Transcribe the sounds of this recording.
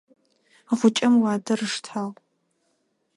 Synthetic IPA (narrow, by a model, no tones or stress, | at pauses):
aχʷʊt͡ʃʼɐmwaːdɐrɨʂtʰal